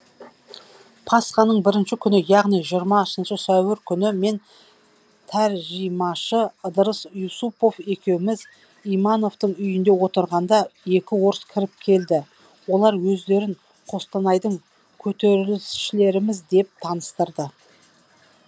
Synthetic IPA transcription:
pʰɑsqɑnəɴbɪɾɪnʃɪkʲʰʏnɪjɑʁnijʒijɾmɑʃənʃəsæwɪɾkʲʰʏnɪme̞n | t̪ʰæɾʒijmɑʃəəd̪əɾəsjusupo̞fe̞kʲe̞wɪmɪz | ijmɑno̞ft̪əɴʏjɪnd̪e̞wo̞t̪əɾʁɑnd̪ɑe̞kʲɪwo̞ɾəskʲʰɪɾɪp̚kʲʰe̞ld̪ɪ | wo̞lˠɑɾwɵzd̪e̞ɾɪɴ | qʰo̞st̪ɑnɑjd̪əɴ | kʲʰɵt̪e̞ɾɪlɪsʃɪle̞ɾɪmɪzd̪e̞p̚t̪ʰɑnəst̪əɾd̪ə

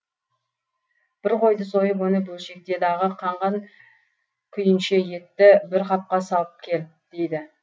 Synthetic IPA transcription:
b̥ɪɾqʰo̞jd̪əso̞jəp̬wɵnɪbʊlˠʃe̞k̚t̪e̞d̪ɑʁəqʰɑɴʁɑŋ | kʲʰʏjɪnʃe̞je̞t̪ːɪbɪɾqɑp̚qɑsɑlˠəp̚kʲʰe̞lɪp̚d̪̥e̞jd̪ɪ

